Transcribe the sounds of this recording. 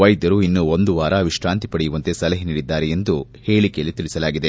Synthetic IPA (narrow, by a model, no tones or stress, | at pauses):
ʋɐjd̪ɐɾuinːuond̪uʋaːɾɐɐʋiʂʈaːnt̪i̥pɐɽejuʋɐnt̪e̞sɐlɐɦiniːɽid̪ːaːɾeend̪uhe̞ːɭikejɐlːit̪iɭisɐlaːɡid̪e̞